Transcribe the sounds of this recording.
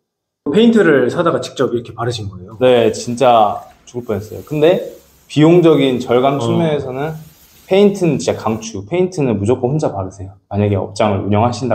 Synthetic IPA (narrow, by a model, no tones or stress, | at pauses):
pʰe̞intʰɯɾɯɭsʰadaɡat͡ɕi̥k̚t͡ɕ͈ʌbiɾʌkʰe̞paɾɯɕʰinɡʌejone̞t͡ɕint͡ɕ͈a | t͡ɕuɭp͈ʌnʌs͈ʌ̰jokɯnde̞ | pioŋd͡ʑʌɡint͡ɕʌɭɡamt͡ɕʰuŋmjʌe̞sʰʌnɯn | pʰe̞intʰɯnɯnt͡ɕint͡ɕakaŋt͡ɕʰupʰe̞intʰɯnɯnmud͡ʑok͈ʰohond͡ʑapaɾɯsʰe̞jomaɲaɡe̞ʌ̰p̚t͡ɕ͈aŋɯɭuɲʌŋɦaɕʰinda